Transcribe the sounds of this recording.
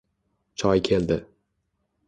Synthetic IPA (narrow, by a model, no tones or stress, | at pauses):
t͡ʃʰɒjkʲʰe̞ld̪ɪ